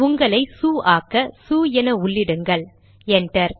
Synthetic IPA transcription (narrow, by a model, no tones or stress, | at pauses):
ʊŋɡɐɭɐɪsuːʔaːkɐsuːjɛnɐʊɭːɪɽɯŋɡɐɭ | ɛnʈrɐɾ